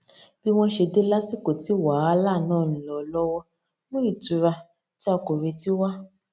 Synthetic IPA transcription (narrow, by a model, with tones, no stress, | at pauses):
b̥i˦w̃ɔ̃˦ʃe˧de˦la˦si˦˨ko˨ti˨˦wa˨˦a˨˦laː˦˨nãː˦˨nĩ˨lɔ˨lɔ˦wɔ˦ | mõ˦i˦˨tu˨˦ɾa˧ | ti˦a˧ko˨ɾe˧ti˦wa˦